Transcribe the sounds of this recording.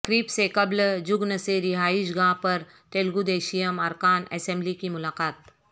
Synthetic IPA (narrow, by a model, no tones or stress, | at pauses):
kɾiːpsekɐbld͡ʒʊɡnəseɾɪɦaːɪʃ̬ɡãːpɐɾ | t̪eːlɡud̪eːʃijəmɐɾkaːnɛ̰sɛ̃mblikimʊlaːqaːt̪̚